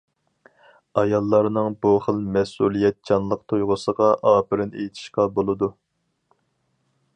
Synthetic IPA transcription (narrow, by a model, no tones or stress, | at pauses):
ɑjɑlˠːɑɾnɨŋbuχəlˠmɛsulˠijɛt̪̚d͡ʒɑnlˠəq̚t̪ʰojʁʊsəʁɑʔɑːpɪɾɪnḛjt̪ʰɪ̥ʃqɑbolˠɨd̪u